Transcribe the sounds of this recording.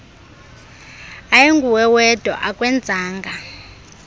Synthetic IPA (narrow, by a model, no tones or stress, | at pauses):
ajeŋɡʱuwɛwɛd̥ʱɔ̰ʔakʼwɛnd͡zʱaːŋɡʱa